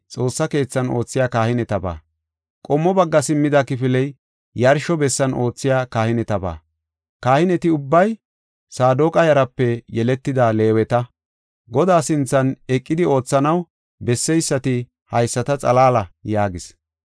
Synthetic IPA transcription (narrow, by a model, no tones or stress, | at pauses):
t͡sʼo̞ːsːɐke̞ːt͡sːɐno̞ːt͡sːɪjaːkaːhɪnɛt̪ɐba̰ː | kʼɔmːɔbɐɡːɐsɪmːɪd̪akɪfɪlɛj | jɐɾʃɔbɛsːɐnʔo̞ːt͡sːɪjaːkaːhɪnɛt̪ɐba̰ː | kaːhɪnɛt̪ɪʊbːɐj | saːd̪oːkʼɐjɐɾɐpːɛjɛlɛt̪ːɪd̪aːle̞ːwɛt̪ɐ | ɡɔd̪aːsɪnt͡sːɐnɛkʼːɪd̪ɪo̞ːt͡sːɐnɐw | bɛsːɛjsːɐt̪ɪ | hɐjsːɐt̪ɐt͡sʼɐ̰laːlɐjaːɡɪs